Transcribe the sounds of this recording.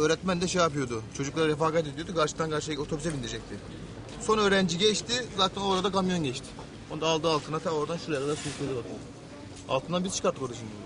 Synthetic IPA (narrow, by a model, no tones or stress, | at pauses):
øːɾɛt̪mænd̪ɛʃejap̬ɯjo̞d̪ʊt͡ʃʰo̞d͡ʒuklˠaɾaɾefaːkat̪̬ed̪io̞d̪ukaɾʃɯ̥t̪ankʰaɾʃot̪ʰobysɛbind̪iɾid͡ʒɛc̚t̪ʰɪ | so̞nø̞ːɾænd͡ʒiɟɛʃt̪ʰɪzaːt̪ʰæno̞ɾad̪akamjo̞nɟɛt͡ʃt̪ʰɪ̥ | ond̪aːlˠd̪ɯːalˠt̪ʰɯnat̪ʰɛno̞ɾd̪anʃuɾjaɾad̪aɾsuɾukˠelʲilat̪ʰɯ | a̰lˠt̪ɯnd̪anbiɾt͡ʃʰɯ̥kaɾt̪ːɯkʰod̪uaʃind̪ijou